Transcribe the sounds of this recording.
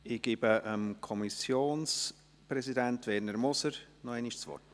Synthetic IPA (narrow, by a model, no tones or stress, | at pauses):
ɪɡ̥ɪːbəʔəmkʰɔmisjoːns | pɾɛsidɛntvɛrnəɾmɔsəɾnɔɛniʃt͡sv̥ɔ̰rt